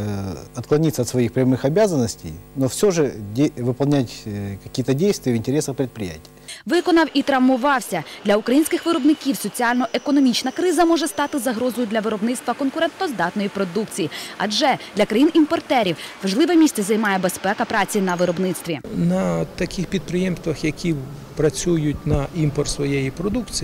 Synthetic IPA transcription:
ɐt̪klˠɐnʲit̪səɐt̪sʋɐixpɾʲɐmɨxɐbʲazənːəsʲtʲḛjnofsʲoʐɨdʲeʋɨpɐlˠnʲætʲkɐkʲijət̪ədʲejst̪ʋʲɪjəʋɪnʲtʲɪɾʲesɐxpɾʲɪt̪̚pɾʲɪjæ̰tʲɪjʋɪkɔnɐwʔit̪ɾɐʋmʊʋɑwsʲɐd̪̥ʲlʲɐʊkɾɐjinʲsʲkɪxʋɪɾɔbnɪkʲiwsɔt͡sʲialʲnɔʔekɔnɔmʲit͡ʃnɐkɾɪzɐmɔʒɛst̪ɑt̪ɪzɐɦɾɔzɔjʊd̪ʲlʲɐʋɪɾɔbnɪtst̪ʋɐkɔnkʊɾɛnt̪nɔzd̪ɑt̪nɔjipɾɔd̪ukt͡sʲijiɐ̰d͡ʒɛd̪lʲɐkɾɐjinʔimpɔrt̪ɛɾʲiwʋɐʒlˠɪʋɛmʲisʲtt͡s̪ʲɛzɐjmɑjɛbespɛkɐpɾɑt͡sʲinɐʋɪɾɔbnɪt̪st̪ʋʲinɐt̪ɐkʲɪxpʲid̪̚pɾɪjemst̪ʋɐxjɐkʲʰi | pɾɐt͡sʲujʊtʲnɐʔimpɔrt̪sʋɔjejipɾɔd̪ukt͡sʲi

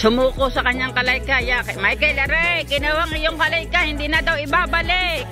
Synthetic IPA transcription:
sʊmuːkosɐkɐɲːaŋkɐlajkajakɐmajkɐjlɐɾɛkɪnowaŋɪjoŋkɐlajkahɪnd̪iːnɐd̪awɪbaːbɐlɪk̚

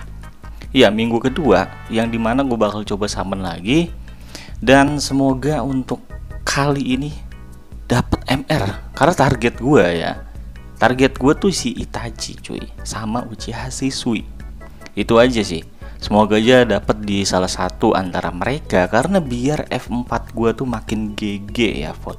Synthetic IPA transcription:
ijamiŋɡukədua̰ | jaŋdimanaɡuabakalt͡ʃobasamanla̰ɡi | dansəmoɡaunt̪ʊkːʰaliːni | d̥apət̪ɛmɛrkarənat̪arɡɛt̪̚ɡuaja̰ | t̪arɡɛt̪̚ɡuat̪usiit̪ad͡ʒḭt͡ʃṵḭsamaʔut͡ʃiɦasisui | it̪uad͡ʒasɪ̰h | səmoɡad͡ʒadapət̪̚disalahsat̪uʔa̰nt̪aɾa̰məɾekakaɾənabiarɛ̰fəmpat̪̚ɡuat̪umakɪnɡeɡeja̰fɔ̰t̪

